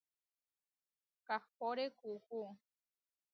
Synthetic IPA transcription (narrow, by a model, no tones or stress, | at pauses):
kahpoɾekuhu